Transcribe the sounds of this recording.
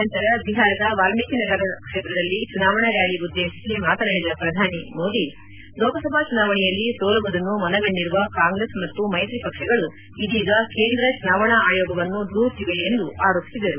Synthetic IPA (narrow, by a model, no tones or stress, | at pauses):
ɐnt̪ɐɾɐbiɦaːɾɐd̪ɐʋaːlmiːkinɐɡɐɾɐkʂet̪ɾɐd̪ɐlːit͡ʃunaːʋɐɳɐɾjaːɭiud̪ːe̞ːʃisimaːt̪ɐnɐɽid̪ɐpɾɐd̪ʱaːnimo̞ːd̪i | lɔːkɐsɐbʱaːt͡ʃunaːʋɐɳɛjɐlːisoːlɐbɐd̪ɐnːumɐnɐɡɐɳɖiɾuʋɐkaːŋɡɾesmɐt̪ːumɐjt̪ɾipɐkʂɐɡɐɭu | id̪iːɡɐke̞ːnd̪ɾɐt͡ʃunaːʋɐɳɐaːjɔːɡɐʋɐnːud̪uːɾt̪iʋeːnd̪uʔaːɾo̞ːpisid̪ɐɾu